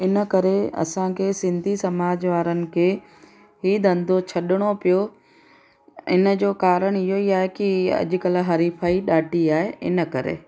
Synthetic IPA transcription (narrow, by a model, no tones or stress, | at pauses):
ɪnəkɐɾeɐ̰sãkʰeːsɪ̃nd̪ʱisɐmaːd͡ʑʋaːɾənɪ̆kʰeː | ɦiːd̪ʱɐ̃nd̪ʱot͡ɕʰɐɗɪɽ̃opijo | ɪ̰nə̆d͡ʑoːkaːɾəɽ̃ɪɦoiaːɦekiɐ̰ʄʊ̆kɐlaɦɐɾiːfʰaːiɗaːʈiaːɦeɪ̰nə̆kɐɾḛː